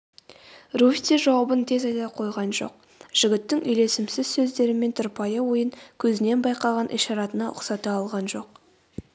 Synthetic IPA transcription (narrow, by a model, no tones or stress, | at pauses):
ruft̪eʒɑwɑbənt̪ʰe̞zɑjd̪ɑqʰo̞jʁɑnʒo̞̰q̚ | ʒ̥ɪɡʲɪt̪ːɪŋʔʏjle̞sɪmsɪz̥sɵzd̪e̞ɾɪme̞nt̪ʰʊɾpɑjəwo̞jəŋkʲʰɵzɪne̞nbɑjqɑʁɑnʔiʃɑɾɑt̪ənɑʔʊ̰qsɑt̪ɑɑlˠʁɑnʒo̞q